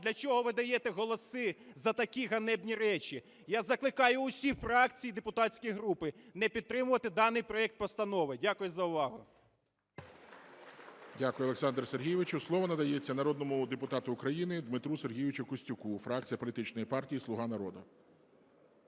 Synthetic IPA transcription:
d̪lʲɐt͡ʃɔɦɔʋɪd̪ɐjɛt̪ɛɦɔlˠɔsɪzɐt̪ɐkʲiɦɐnɛbnʲiɾɛt͡ʃʲi | jazɐklˠɪkɑjʊːʊsʲifɾɑkt͡sʲijd̪epʊt̪ɑsʲkɔjɦɾupɪnɛpʲid̪̚t̪ɾɪmʊʋɐt̪ɪd̪ɑnɪjpɾɔɛk̚t̪̚pɔst̪ɐnɔʋɪdʲakʊjʊzɐʊʋɑɦʊ | dʲakʊjʊɐlˠeksɑnd̪ɾɐserɦʲijɪʋɪt͡ʃʊslˠɔʋɐnɐd̪ɐjet͡sʲːɐnɐɾɔd̪nɔmʊd̪epʊt̪ɑt̪ʊːkɾɐjinɪd̪mɪt̪ɾuserɦʲijɪʋɪt͡ʃʊkʊsʲtʲʊkufɾɑk̚t͡sʲijɐpɔlʲit̪ɪt͡ʃnɔjipɑrtʲijisˠʊɦɑnɐɾɔd̪ʊ

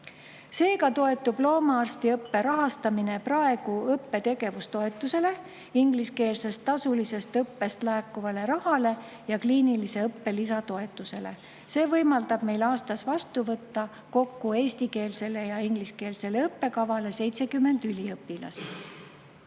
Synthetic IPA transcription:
se̞ːkɑt̪o̞e̞t̪ːˑub̥lo̞ːmɑɑrst̪iɤpːe̞ɾɑɦɑst̪ɑmine̞prɑe̞ɡ̥uɤpːe̞t̪e̞ɡ̥e̞vust̪o̞e̞t̪ːˑuse̞le̞ | iŋɡliske̞ːlse̞st̪ːɑsulise̞st̪ɤpːe̞st̪læːkːˑuvɑle̞ɾɑhɑle̞ | jɑkliːnilise̞ɤpːe̞lis̬ɑt̪o̞e̞t̪ːˑuse̞le̞̰ | se̞ːvɤjmɑld̪ɑb̥me̞jlɑːst̪ɑsvɑst̪uvɤt̪ːɑ | ko̞kːue̞ːst̪ike̞ːlse̞le̞jɑiŋɡ̥liske̞ːlse̞leɤpːe̞kɑvɑle̞se̞jt̪se̞kymːe̞nd̪̥ylʲiɤpːilɑ̰st̪

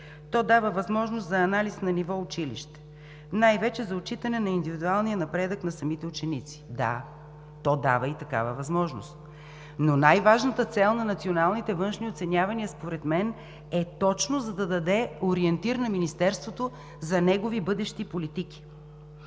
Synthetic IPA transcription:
t̪ɔd̪avəvɐzmɔʒnost̪zɐːnalisnɐnivɔʊt͡ʃilḭʃt̪ɛ̥ | najvɛt͡ʃɛzɐot͡ʃit̪ɐnɛnɐind̪ivid̪ualˠnijənɐpɾɛd̪əknɐsɐmit̪ɛʊt͡ʃɛnit̪si̥d̪a̰ | t̪ɔd̪a̰vəit̪ɐka̰vəvɐzmɔʒno̰st̪ | nonajvaʒnət̪ət̪sɛlˠnɐnɐt̪sionalˠnit̪ɛvɤnʃniot̪sɛnʲavɐniəspoɾɛt̪mɛn | ɛt̪ɔt͡ʃnozɐd̪ɐd̪ɐd̪ɛoɾiɛnt̪iɾənɐminist̪ɛɾst̪vot̪o | zɐnɛɡovibɤd̪ɛʃt̪ipolit̪iki̥

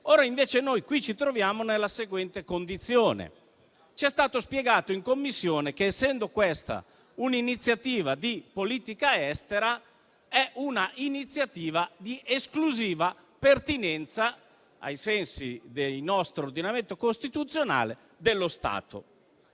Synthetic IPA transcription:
oːɾaiɱveːt͡ʃenojkwit͡ʃit̪ɾovjaːmonelːaseɡwɛnt̪ekond̪it̪sːjoːnḛ | t͡ʃiɛst̪aːt̪ospjɛɡaːt̪oiŋkomːisːjoːnek̟eːsːɛnd̪okwɛst̪a̰ | uninit̪sːjat̪iːvad̪ipoliːt̪ikaɛst̪eɾa | ɛʔunaʔinit̪sːjat̪iːvad̪iʔeskluziːva | pert̪inɛnt̪sa | a̰jsɛnsid̪ejnɔst̪ɾoɾd̪inament̪okost̪it̪ut̪sːjona̰ːle | d̪elːost̪a̰ːt̪o̰

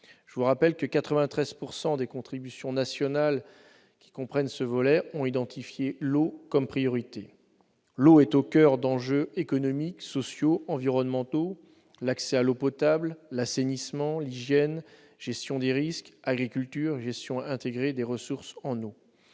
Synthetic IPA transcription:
ʒ̥əvuʁapɛlkəkat̪χəvɛ̃t̪χɛz̥puʁsɑ̃d̪ekɔ̃t̪χibysjɔ̃nasjɔnal | kʲi̥kɔ̃pχɛnsəvɔlɛɔ̃id̪ɑ̃t̪ifjelokɔmpχijɔʁit̪e | loɛt̪okʲœʁd̪ɑ̃ʒøekɔnɔmiksɔsjoɑ̃viʁɔnmɑ̃t̪o | laksɛalopɔt̪abllasenismɑ̃liʒjɛn | ʒ̥ɛst̪jɔ̃d̪eʁiskaɡʁikʲylt̪yʁʒɛst̪jɔ̃aɛ̃t̪eɡʁed̪eʁəsuʁsɑ̃no

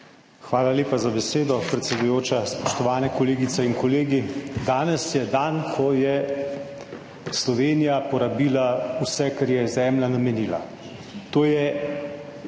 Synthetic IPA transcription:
xʋaːlalʲeːpazabɛseːd̪ɔpɾɛt̪sɛd̪ujoːt͡ʃaspɔʃt̪ɔʋaːnɛkoleːɡit̪sɛinkɔleːɡid̪aːnɛsjɛd̪ankʰɔjɛ | slɔʋeːnijapɔɾabiːlausɛkɛɾjɛzɛːmlanamɛniːla̰ | t̪oːjɛ

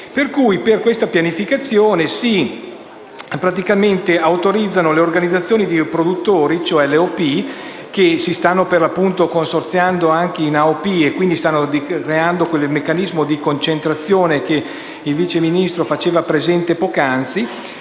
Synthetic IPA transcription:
perkujperkwest̪apjanifikat̪sːjoːnesi | pɾat̪ikament̪eawt̪oɾid̪zːanoleorɡanid̪zːat̪sjoːnid̪ipɾod̪ut̪ːoːɾit͡ʃoɛleopi | k̟esist̪anːoperlapːunt̪okonsort̪sjand̪oaŋk̟einaopiekwind̪ist̪anːod̪ikɾeand̪okwelmekːanizmod̪ikont͡ʃent̪ɾat̪sːjoːnek̟e | ilviːt͡ʃeminist̪ɾofat͡ʃeːvapɾezɛnt̪epɔːkant̪si

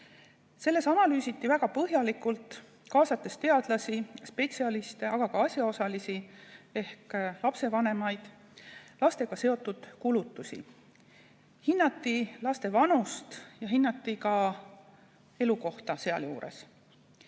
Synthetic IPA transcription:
se̞lːe̞sɑnɑlyːsit̪ːivæɡ̥ɑpɤɦjɑlikult̪ˑ | kɑːsɑt̪ːˑe̞st̪e̞ɑd̪̥lɑsispe̞t̪siɑlist̪e̞ʔɑɡ̥ɑkɑɑsʲjɑo̞sɑlisie̞hklɑpse̞vɑne̞mɑjd̪̥ | lɑst̪e̞ɡ̥ɑse̞o̞t̪ːˑud̪̥kulut̪ːusʲḭ | hinːɑt̪ːˑilɑst̪e̞vɑnust̪jɑɦinːɑt̪ːikɑ | e̞luko̞ht̪ɑse̞ɑ̰ljuːɾe̞̰s

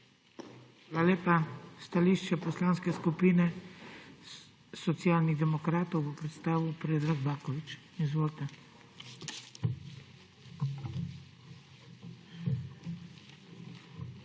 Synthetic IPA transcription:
xxaːlaleːpast̪aliʃt͡ʃɛpɔslaːnskɛskupiːnɛ | sɔt̪sijaːlniɣd̪ɛmɔkɾaːt̪ɔwbɔpɾɛt̪st̪aːʋiwpɾeːd̪ɾaɡbaːkɔʋit͡ʃ | izʋoːlt̪a

